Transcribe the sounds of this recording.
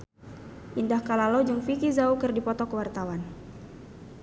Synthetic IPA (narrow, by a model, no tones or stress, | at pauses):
ʔindahkalalod͡ʒɨŋfikizaukɨrdipɔt̪ɔkəwart̪awan